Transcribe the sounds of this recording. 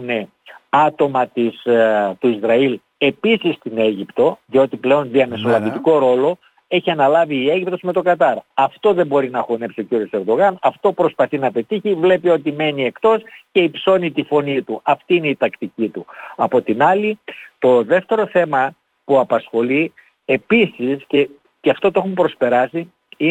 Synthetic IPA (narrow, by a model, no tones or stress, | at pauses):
une̞ | ɐt̪o̞mɐt̪ist̪uizɾɐil | e̞pisist̪ine̞ʝipt̪o̞ðio̞t̪iple̞o̞nðiɐme̞so̞lɐvit̪iko̞ɾo̞lo̞ | e̞çiɐnɐlɐviːe̞ʝip̚t̪o̞zme̞t̪o̞kɐt̪ɐɾɐft̪o̞ðembo̞ɾinɐxo̞nepsio̞ciɾio̞se̞ɾd̪o̞ɣɐnɐft̪o̞pɾo̞spɐθinɐpe̞t̪içivle̞pio̞t̪ime̞nie̞kt̪o̞sce̞ipso̞nit̪ifo̞nit̪uɐft̪iine̞it̪ɐkt̪icit̪uɐpo̞t̪inɐlit̪o̞ðe̞ft̪e̞ɾo̞θe̞mɐ | puɐpɐsxo̞li | e̞pisisce̞ | ceɐft̪o̞t̪oexumpɾo̞spe̞ɾɐsi | i